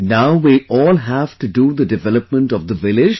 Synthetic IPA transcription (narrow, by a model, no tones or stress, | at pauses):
naʊʋiʔɔːlɦæʋʈuɖuːd̪əɖɪʋɛləp̚mə̃ɳʈɔvd̪əʋɪlɪd͡ʒ